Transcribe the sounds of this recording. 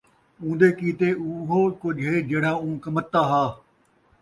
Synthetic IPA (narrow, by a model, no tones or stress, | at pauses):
ũːnd̪eːkiːt̪euɦoːkʊd͡ʒʱɦeːd͡ʒeːɽ̤ãːũːkɐmət̪ːaːɦaː